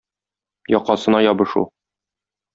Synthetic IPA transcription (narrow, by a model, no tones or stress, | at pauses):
jɒqɑsɤ̆nɑjɒbɤ̆ʃṵ